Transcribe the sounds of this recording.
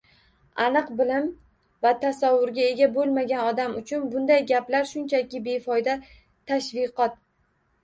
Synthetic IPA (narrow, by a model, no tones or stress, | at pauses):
anɨqbɪlɪm | vat̪ʰasawːʊɾɡʲae̞ɡʲabolˠmaɡʲanɒd̪amʊt͡ʃʰʊnbʊnd̪ajɡʲaplaɾʃʊnt͡ʃʰakʲɪbe̞fɒjd̪a | t̪ʰaʃvɨqɒt̪̚